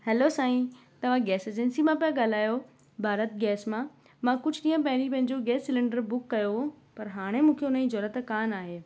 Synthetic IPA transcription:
hɛlosãːĩ | t̪ɐʋ̤ãɡɛːseːd͡ʑənsimãpiaɠaːl̤aːjo | bʱaːɾət̪̚ɡɛːsmã | mãkʊd͡ʑʱɗĩːə̃p̬ɐ̃ɦɪ̃ɾipɐ̃ɦɪ̃ɲd͡ʑoɡɛːsːɪlɪ̃ɳɖəɾbʊkːɐjoɦo | pɐɾɦaːɽ̃emũːkʰeʊnəĩd͡ʑoːɾət̪kaːnaːɦeː

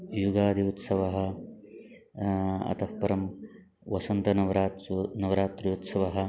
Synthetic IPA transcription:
juɡaːd̪ʱiut̪sɐʋɐɦɐ̆ | ɐ̰t̪ʰɐpɐɾɐm | ʋɐsɐnt̪ɐnɐʋɐɾaːnɐʋɐɾaːt̪ɾiut̪sɐʋɐɦɐ̆

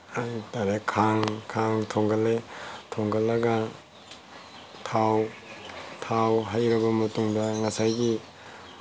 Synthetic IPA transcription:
ajtaɾekʰaŋkʰaŋtʰoŋɡaletʰoŋɡalːɐɡa | tʰaw | tʰawɦajɾɐbɐmɐtuŋdɐŋɐsajɡi

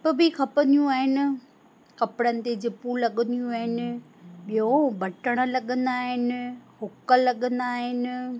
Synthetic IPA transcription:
pbɪkʰɐpə̃nd̪ijũaːɦɪnɪ̆ | kɐpɪɽənɪ̆t̪ed͡ʑɪpũlɐɠənd̪ijũaːɦɪnɪ̆ | ɓijõbʱɐʈəɽ̃ə̆lɐɠə̃nd̪aːɦɪnɪ̆hʊkəlɐɠə̃nd̪aːɦɪnɪ̆

